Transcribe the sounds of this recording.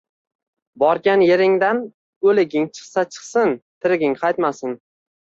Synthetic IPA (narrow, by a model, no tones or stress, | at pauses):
bɒɾɡʲanjeɾɪŋd̪an | ɡɵlɪɡʲɪŋt͡ʃʰɨ̥χsat͡ʃʰɨ̥χsɪnt̪ʰɪɾɪɡʲɪŋqʰɑjt̪masɪn